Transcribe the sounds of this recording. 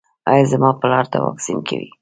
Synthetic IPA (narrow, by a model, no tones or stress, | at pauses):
ɑjɑzamɑpəlɑɾt̪awɑksinkʰawi